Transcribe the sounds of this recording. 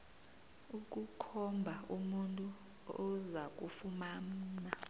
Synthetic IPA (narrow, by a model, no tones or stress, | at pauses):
uk̬ʼukʰɔmbʱaumuntʼu | ɔzak̬ʼufumam̩ːna